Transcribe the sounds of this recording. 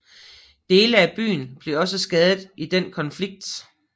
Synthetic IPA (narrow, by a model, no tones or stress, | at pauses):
d̥e̝ːləæb̥y̰ːn̩b̥le̝ɒ̽s̬əsɡ̥ɛːð̞ˠð̩ˠid̥en̰kʰɒ̽nfliɡ̥̚d̥